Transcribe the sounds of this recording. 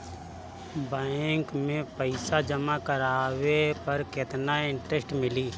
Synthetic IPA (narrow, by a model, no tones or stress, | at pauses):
baːɪŋkmẽpəɪsad͡ʒəmakəɾaːwepəɾkɪt̪naɪ̃ɳʈɾesʈmɪliː